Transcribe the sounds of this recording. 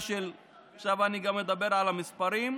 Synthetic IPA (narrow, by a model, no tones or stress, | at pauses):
ʃel | saʋaniɡɐmed̪ɐbeɾalɐmispɐɾim